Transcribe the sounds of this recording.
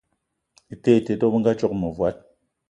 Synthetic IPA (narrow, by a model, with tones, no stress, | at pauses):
i˨te˦˨te˨to˦bɨ˦ŋɡa˦t͡ʃɔ˦k̚mɨ˨vwa˨˦t̚